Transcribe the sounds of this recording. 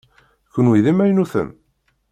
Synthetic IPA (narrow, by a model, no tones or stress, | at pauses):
kːənwiðimæjnuθə̰n